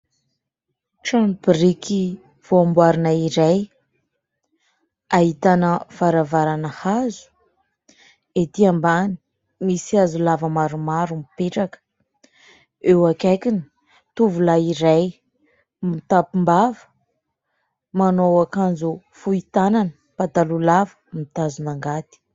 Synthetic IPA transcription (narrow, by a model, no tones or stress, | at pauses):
ʈ͡ʂanbriki | v̥oambwaɾinaiɾaj | ait̪anəv̥aɾavaɾanəhazu̥ | et̪iambani̥ | misiazulavəmaɾumaɾumipeʈ͡ʂakə̥ | ewakajkini̥ | t̪uvulaiɾaj | mit̪apumbavə̥ | manowakand͡zu | fuit̪ananə | pat̪alulavə̥mit̪azunaŋɡat̪i̥